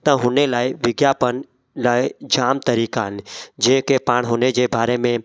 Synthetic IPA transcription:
t̪ə̃ɦoːnelaːiʋɪɡjaːpən | laːid͡ʒaːmt̪əɾiːkand͡ʒẽɦkepaːɽɦoːned͡ʒebaːɾemẽ

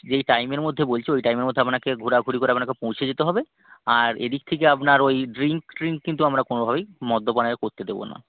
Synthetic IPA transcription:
d͡ʑejʈajmeɾmod̪ʱːebolt͡ɕʰiojʈajmeɾmod̪ʱeapnakeɡʱuɾaɡʱuɾikoɾeap̚nakepõwt͡ɕʰed͡ʑet̪eɦɔbe | aɾḛd̪ik̚t̪ʰek̬eapnaɾojɖɾiŋkɖɾiŋkːint̪uamɾakonobʱabejmɔd̪ʱːopanakoɾt̪ed̪ebo̰na̰

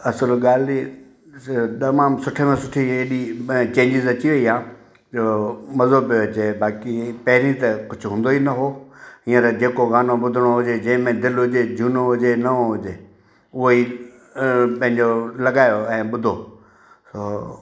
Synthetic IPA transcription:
ɐsəlɠaːli | t̪ɐmaːmsʊʈʰemẽsʊʈʰieːɗit͡ɕẽːɲd͡ʑɪzɐt͡ɕiʋɐiɦãː | d͡ʑoːmɐzoːbot͡ɕebaːkipɐɦɪɾĩt̪ɐkʊd͡ʑʱʊɦũːnd̪oinɐɦoːĩːə̃ɾd͡ʑeːkoɣaːnoɓʊd̪ʱəɽ̃oɦʊd͡ʑed͡ʑɐ̃ɦɪ̃mẽd̪ɪlɦʊd͡ʑed͡ʑʱuːnoɦʊd͡ʑenɐõɦʊd͡ʑeː | ʊɦoi | pɐ̃ɦɪ̃ɲd͡ʑolɐɠaːjoɛ̃ːɓʊd̪ʱoː | soː

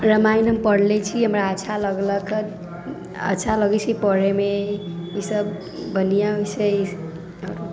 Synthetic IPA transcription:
ɾəmajnɦəmpəɽlɛt͡ʃʰiɦəmɾaəːt͡ʃʰaləɡlək | ə̰ːt͡ʃʰaləɡɛt͡ʃʰipəɾemeisəbː | ənijaisʰe | əɾ

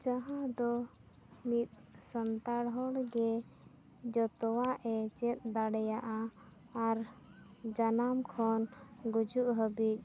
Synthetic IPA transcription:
d͡ʒaɦãd̪ɔ | mit̪̚sənt̪aɽɦɔɽɡɛ | d͡ʒɔt̪ɔwaʔɛt͡ʃɛt̪̚d̪aɽɛjaʔaː | ɾ | d͡ʒanamkʰɔnɡud͡ʒuʔɦəbik̪̚

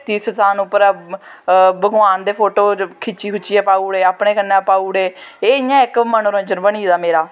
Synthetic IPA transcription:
t̪iːsətaːnʊpːəɾ | bəɡʊaːnd̪eːpʰoːʈoːkʰɪt͡ʃiːkʊt͡ʃːiːɛːpaːuːɽeːaːpɳeːkənːãːpaːuːɽeːeːɪjãːɪkmənoɾə̃nd͡ʒənbəɳ̃iːd̪aːmeːɾaː

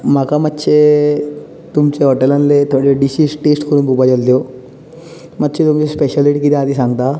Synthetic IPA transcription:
mɐkɐmɐt͡ʃːe | t̪umt͡ʃeɦɔʈelɐnlet̪oɖeɖisisʈeːsʈkuɾumbupɐd͡ʒɐld̪o | mɐt͡ʃːet̪umt͡ʃespeʃɐliʈikid̪ad̪isɐnt̪a

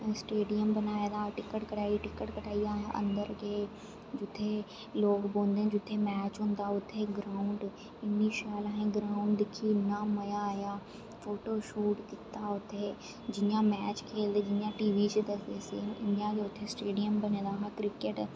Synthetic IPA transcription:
sʈeːɖijəmbənaːjaːd̪aːʈɪkːəʈkəʈaːiʈɪkːəʈkəʈaːiaːʔə̰̃nd̪əɾɡeː | d͡ʒʊt̪ʰːeː | loːkbõːnd̪ẽːd͡ʒʊt̪ʰːeːmɛːt͡ʃɦʊ̃nd̪aːʊt̪ʰːeːɡɾaːʊɳɖ | ɪniʃaːlaɦẽːɡɾaːʊɳɖd̪ɪkʰːiːnaməjajaː | foːʈoːʃuːʈkɪt̪ːaːʊt̪ʰːeː | d͡ʒɪjãːmɛːt͡ʃkʰeːld̪eːd͡ʒɪjãːʈiːʋiːt͡ʃd̪ɐsd̪eːseːɪnjãːkeʊt̪ʰːesʈeːɖijəmbəneːd̪aːɦakɾɪkeʈ

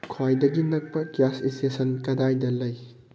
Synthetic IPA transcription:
kʰwajdɐɡinɐk̚pɐkjasistesɐnkɐdajdɐlɐj

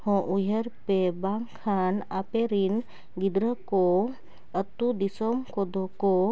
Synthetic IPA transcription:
hɔ̃ʔujəɾpebaŋkʰanapeɾin | ɡid̪ɾəko | ət̪ːud̪isomkod̪ʱoko

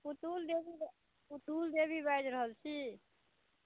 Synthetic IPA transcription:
ut̪uld̪ebi | ut̪uld̪ebibajd͡ʒɾəɦəlt͡ʃʰi

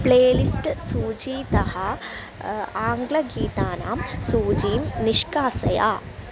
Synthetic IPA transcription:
pɭeːlisʈɨsuːd͡ʑiːt̪ɐhɐ | aːŋɡɭɐɡiːt̪aːna̰ːmsuːd͡ʑiːmniʂkaːsɐja̰ː

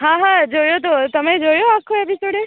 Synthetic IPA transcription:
ɦãɦãd͡ʒojot̪̬ot̪əmẽd͡ʒojoakʰːoɛbʱisoɽe

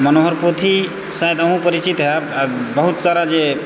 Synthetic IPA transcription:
mənoɦəɾpot̪ʰi | saɦed̪ɐɦũpəɾit͡ʃit̪ɦabəɦut̪saɾad͡ʒe

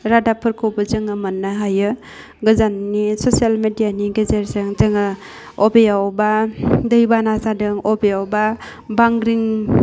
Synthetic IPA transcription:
ɾadapʰɯɾkʰowbɯzɯŋɯmɐnːaɦajɯ | ɡɯzanːisosialmedijaniɡezeɾsɯŋzɯŋɯ | ɔbejawbadɯjbanazadɯŋɔbejawba | baŋɡɾiŋ

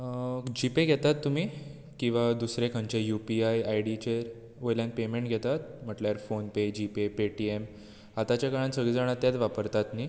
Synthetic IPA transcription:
d͡ʑipeɡʱɛt̪at̪ːumiː | kĩw̃ʋad̪usɾekʰãɲt͡ɕejupiajajɽit͡ɕeɾ | ʋojljanpemeɳʈɡʱɛt̪at̪̚m̤əʈljaɾfonped͡ʑipepeʈiem | at̪at͡ɕjakaɭansəɡɭid͡zaɽ̃at̪jat̪ʋapəɾt̪at̪ni

